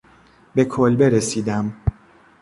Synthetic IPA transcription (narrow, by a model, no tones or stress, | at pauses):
be̞kʰolbe̞ɾesiːd̪æm